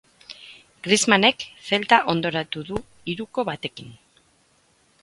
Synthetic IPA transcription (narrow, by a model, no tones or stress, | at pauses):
ɡɾizmane̞kfe̞lt̪aʔo̞nd̪o̞ɾat̪uðu | iɾuko̞βat̪e̞kin